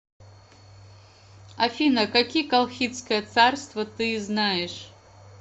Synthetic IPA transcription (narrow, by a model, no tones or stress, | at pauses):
afʲinɐkakʲijəkalˠxʲit̪skəjət̪sarst̪vɐt̪ɨznajɛʂ